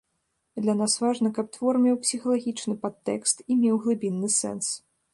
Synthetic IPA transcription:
d̪lʲanasvaʐnɐkɐp̚t̪vɔrmʲɛwpsʲixɐlˠaɣʲit͡ʂnɨpat̪ːɛ̰kst̪imʲɛwɣlˠɨbʲinːɨsɛ̰ns

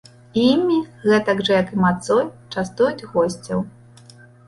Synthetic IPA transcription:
imʲiɣɛt̪ɐɡʐɐjɐkɨmat̪sɔjt͡ʂast̪ujud͡zʲɣɔsʲt͡sʲɐw

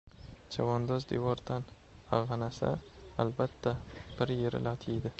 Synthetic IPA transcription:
d͡ʒʰavɒnd̪ɒzd̪evɒɾd̪an | aʁɑnasa̰albat̪ʰːab̥ɪɾjeɾɪ̰lat̪ʰijd̪ɪ

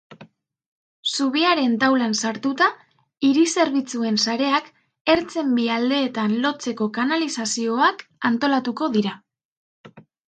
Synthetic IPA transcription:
suβiaɾe̞nt̪awlansaɾt̪ut̪a | iɾise̞ɾβ̞it͡sue̞nsaɾe̞ak | e̞ɾt͡se̞mbiald̪e̞ːt̪anlo̞t͡se̞ko̞kanalisasio̞akant̪o̞lat̪uko̞ðiɾa

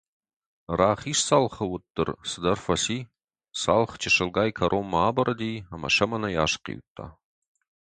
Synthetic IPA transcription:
raːχiːʂsaːlχɐwʊtʼːɨ̰rsɨdɐrfɐsiː | saːlχt͡ʃʰɪʂɨlɡaːjkʰɐɾʔoːmːaːbɐɾɐdijɐmɐ̰ʂɐmɐnɐjaːʂqḭːwtʰːa̰ː

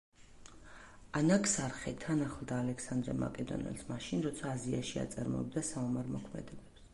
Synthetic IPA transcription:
anakʼsaɾχɛt̪ʰanaχlˠd̪aːlɛksand̪ɾɛma̰kʼɛd̪ɔ̰nɛ̰lsmaʃinɾɔt̪sʰaːzia̰ʃia̰t̪sʼaɾmɔ̰ɛbd̪asaumaɾmɔkʰmɛ̰d̪ɛbɛps

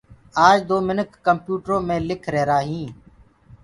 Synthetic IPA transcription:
aːd͡ʒd̪oːmɪnəkːəmpjuːʈɾõːmẽːlɪkʰɾeːɾaːɦĩː

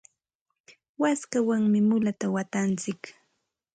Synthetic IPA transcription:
waskawaŋmɪmʊlat̪awat̪ant͡sɪk

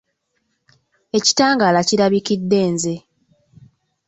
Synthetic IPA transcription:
e̞ci̥taːŋɡalaciɾaβikidːe̞ːnze̞

